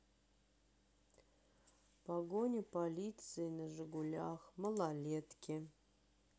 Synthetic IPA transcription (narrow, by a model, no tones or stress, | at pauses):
paɡonʲɪpɐlʲit̪sɨɪnəʐɨɡʊlʲaxməlˠalʲet̪kʲʰɪ